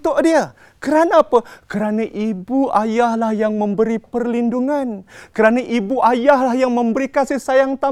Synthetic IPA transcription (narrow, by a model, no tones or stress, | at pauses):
t̪ʊʔdia | kəɾanaːpəkəɾanaʔibuʔajahlahjaŋmə̃mbəɾipərlinduŋankəɾanaʔibuʔajahlahjaŋmə̃mbəɾikasihsajaŋt̪a